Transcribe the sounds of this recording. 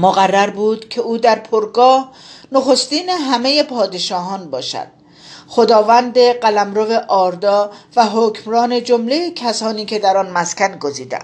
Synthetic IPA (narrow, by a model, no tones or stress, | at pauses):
moɣærːæɾbuːd̪cʰe̞uːd̪æɾpʰoɾɡɒːhnoxo̞st̪iːneɦæme̞je̞pʰɒːd̪e̞ʃɒːɦɒːnbɒːʃæ̰d̪̥̚ | χo̞d̪ɒːvænd̪e̞ɢælæmɾove̞ʔɒːɾd̪ɒːvæɦocʰmɾɒːne̞d͡ʒomle̞jecʰæsɒːniːcʰe̞d̪æɾɒnmæskʲænɡo̞ziːd̪æ̰̥